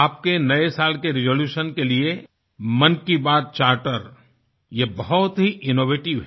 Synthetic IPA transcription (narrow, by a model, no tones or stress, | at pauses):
aːp̚kenɐesaːlkeɾɪzoːljuːʃənkelie | mɐnkibaːt̪̚t͡ʃaːɾʈəɾ | jebɐɦɔt̪ɦiʔɪnoːʋeːʈɪʋɦ